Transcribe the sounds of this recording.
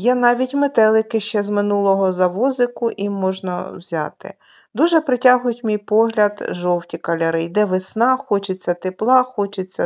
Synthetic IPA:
jɛnɑʋʲitʲmet̪ɛlˠɪkɪʃt͡ʃɛzmɪnulˠɔɦɔzɐʋɔzɪkʊʔimɔʒnɐ̰wzʲɑ̰t̪ɪ̰ | d̪uʒɛpɾɪtʲaɦʊjʊtʲmʲijpɔɦlʲɐd̪ʒɔwtʲikɐlʲɐɾɪjd̪ɛʋɪsnɑxɔt͡ʃɪt͡sʲːɐt̪eplˠɑxɔt͡ʃɪt͡sʲːɐ

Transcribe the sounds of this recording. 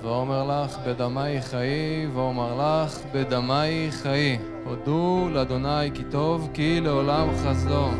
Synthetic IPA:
veomeʁlaχbed̪amajχajiveomaʁlaχbed̪amajχaji | od̪ulead̪o̞najkit̪o̞vkileolamχazo

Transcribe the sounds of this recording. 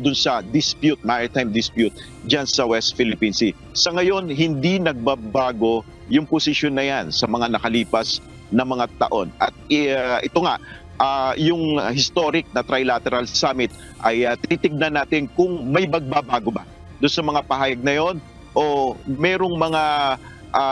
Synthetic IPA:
d̪ʊnsɐd̪ɪspjut̪̚maɹɪt̪ajmd̪ɪspjut̪̚ | d͡ʒansɐwɛst̪̚fɪlɪpiːnsi | sɐŋɐjo̞nɦɪnd̪inɐɡ̚babaːɡo̞ | jʊŋpʊsɪʃo̞nːɐjansɐmɐŋanɐkɐliːpɐs | nɐŋmɐŋat̪ɐ̰ʔo̞nʔɐ̰t̪̚ʔɪt̪oŋaʔ | ʔajʊŋhɪst̪o̞ɾɪk̚nɐt̪ɾajlat̪ɛɾɐlsamɪt̪̚ | ʔɐjt̪ɪit̪ɪɡ̚nɐnːaːt̪ɪnkʊŋmɐjbɐɡ̚babaːɡoba | d̪ʊnsɐmɐŋapɐɦaːjɐɡ̚nɐjo̞n | ʔo̞mɛːɾo̞ŋmɐŋa | ʔa

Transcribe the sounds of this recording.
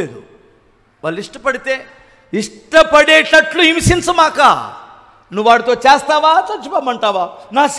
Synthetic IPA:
eːɾu | ʋaːlːiʂʈɐpɐɽit̪e̞ː | iʂʈɐpɐɽeːʈɐʈluimsinsumaːka̰ː | nuʋʋaːɽit̪o̞ːt͡ʃeːst̪aːʋaːt͡ʃɐt͡ʃːupaːmɐɳʈaːʋaːnaːs

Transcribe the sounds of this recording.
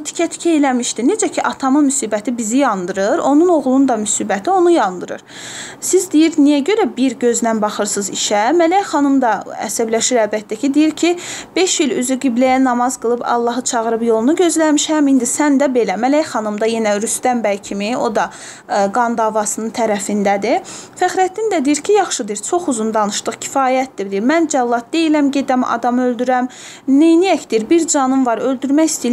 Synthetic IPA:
t̪ʰi̥cʰæt̪ʰi̥cʰæelæmiʃt̪ined͡ʒæcʰiʔɑt̪ʰɑmɯmysiːbæt̪ʰibizijɑnd̪ɯɾɯɾo̞nuno̞ɣlˠund̪ɑmysiːbæt̪ʰio̞nujɑnd̪ɯɾɯ̰ɾ | sizd̪ijiɾnijæɟø̞ɾæbiɾɟø̞znænbɑχɯɾsɯziʃæmælæjχɑnɯmd̪ɑæ̰sæblæʃiɾælbæt̪ːæcʰid̪ijiɾcʰib̥e̞ʃilyzyɡiblæjænɑmɑzɡɯlˠɯbɑ̰lˠːɑɦɯt͡ʃʰɑʁɯɾɯbjo̞lˠunuɟø̞zlæɾmiʃæmind̪isænd̪æbe̞læmælæjχɑnɯmd̪ɑje̞næɾyst̪æmbæjcʰimio̞̰d̪ɑ | ɡɑnd̪ɑvɑsɯnɯnt̪ʰæɾæfind̪æd̪ifæχɾæt̪ːind̪æd̪ijiɾcʰijɑχʃɯd̪ɯɾt͡ʃʰo̞χuzund̪ɑnɯʃt̪ɯχcʰi̥fɑːjæt̪̚d̪id̪iɾmænd͡ʒælˠːɑt̪̚d̪e̞jilæmɟe̞d̪æmɑ̰d̪ɑmøld̪yɾæm | nejnijæcd̪iɾbiɾd͡ʒɑnɯmvɑɾø̞ld̪yɾmæjist̪i

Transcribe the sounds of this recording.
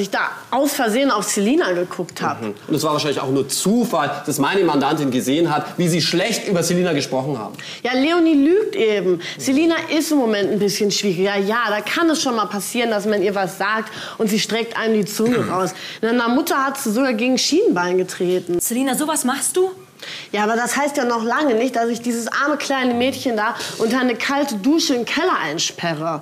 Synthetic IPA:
sɪçd̥aːʔaʊsfɛɐzeːənaʊfseliːnaɡəkʰʊkthaːpʔʊntɛsv̥aːɐvaːʃaɪlɪçaʊxnuːɐt͡suːfald̥asmaɪnəmandantɪnɡəzeːənɦatviːziːʃlɛçtʔyːbɐseliːnaɡəʃpʁ̥ɔχn̩ha̰ːbm̩ | jaːleːoniːlyːk̚tʔeːbm̩zeliːnaʔɪstɪmːomɛntn̩bɪsçənʃv̥iːʁɪɡɐjaːdaːkʰanɛsʃoːnmaːlpʰasiːʁəndasmaniːɐvasz̥aːk̚t | ʔʊntz̥iːʃtʁ̥ɛk̚tʔa̰ɪnəmdiːt͡sʊnəʁaʊsnanɐmʊtɐhatz̥izoɡaːɡeːɡŋ̩ʃiːnənbaɪnɡətʁ̥eːtn̩seliːnazoːvasmaχst̚d̥uː | jaːʔaːbɐdashaɪstjaːnɔχlaŋənɪçt̚d̥asɪçd̥iːzəsʔaɐməkʰl̥aɪnəmɛːtçəndaːʔʊntanəkʰaltəduːʃəɪmkʰɛlɐʔa̰ɪnʃpʰɛʁ̞ə

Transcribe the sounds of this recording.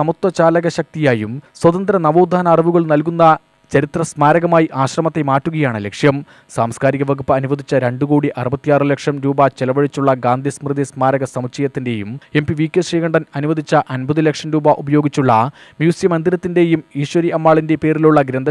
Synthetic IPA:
ɐmut̪ːwɐt͡ɕaːlɐɣɐɕɐk̚t̪ijaːjumswɐd̪ɐnd̪ɾɐnɐmoːd̪ʱaːnɐːriʋuɣɐɭnɐlkunːɐ | t͡ɕɐɾit̪rɐsmaːɾɐɣɐmaːjiʔaːɕrɐmɐt̪ːe̞maːʈːuɣɐjaːɳɨle̞kʂjɐm | saːmskaːɾiɣɐʋɐɣupːɐɐnuʋɐd̪ʱit͡ɕːɐɾe̞ɳɖukoːɽiʔɐrɨbɐt̪ːijaːrɨle̞kʂɐmɾuːbɐt͡ɕelɐʋɐɻit͡ɕːuɭːɐɡaːnd̪ʱismrɨd̪ismaːɾɐɣɐsɐmut͡ɕɐjɐt̪ːinde̞jume̞mpiʋiːkːɐɕriːɣɐɳɖɐnɐnuʋɐd̪ʱit͡ɕːɐʔɐnbɐðulekʂɐnɾuːbɐʔubɐjo̞ːɡit͡ɕːuɭːɐmjuːsjɐmɐnd̪iɾɐt̪ːinde̞jumiːʂʋɐɾiʔɐmːaːɭinde̞pe̞ːɾiluɭːɐɡɾend̪ʱɐ

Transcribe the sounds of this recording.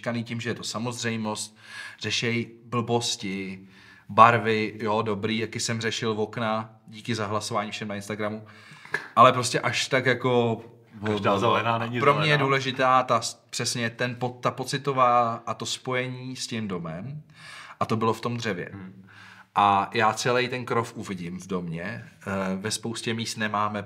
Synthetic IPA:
kaniːcimʒɛjɛt̪o̞samo̞zrɛjmo̞st̪̚r̥ɛʃɛjbl̩bo̞scɪ | baɾvɪjo̞do̞bɾiːjakɪsɛmrɛʃɪlvo̞kna | ɟiːkɪzaɦlaso̞vaːɲiːfʃɛmnaɪnst̪aɡɾamu | ʔalɛpɾo̞scɛʔaʃt̪akjako̞ | vaʒdazaɛnaːnɛɲɪpɾomɲɛjɛduːlɛʒɪt̪aːt̪apr̥ɛsɲɛt̪ɛnpot̪ːapo̞t͡sɪt̪o̞vaːʔat̪o̞spo̞jɛɲiːscɪmdo̞mɛm | ʔat̪o̞bɪloft̪o̞md̪r̝ɛvjɛ̰ | ʔajaːt͡sɛlɛjt̪ɛnkɾo̞fʔuvɪɟɪmvdo̞mɲɛ | vɛspo̞wscɛmiːsnɛmaːmɛ

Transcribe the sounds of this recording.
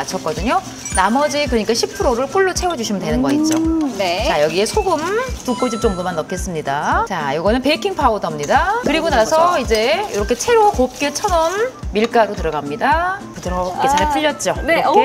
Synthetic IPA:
at͡ɕʰʌk͈ʌdɯɲo | namʌd͡ʑikɯʌɲik͈aɕʰipʰɯɾoɾɯɭk͈uɭːot͡ɕʰe̞wʌd͡ʑuɕʰimɯntwe̞nɯnɡʌit̚t͡ɕ͈onet͡ɕajʌɡie̞sʰoɡɯmtuk͈od͡ʑip̚t͡ɕ͈oŋbumanːʌkʰe̞s͈ɯmɲidat͡ɕajoɡʌnɯnpeikʰiŋpʰaodʌmɲidakɯɾiɡonasʰʌid͡ʑe̞jiɾʌkʰe̞t͡ɕʰe̞ɾokop̚k͈et͡ɕʰʌnʌmːiɭk͈aɾotɯɾʌɡamɲidapɯtʰɯɾʌket͡ɕaɾpʰuʎːʌt̚t͡ɕ͈onee

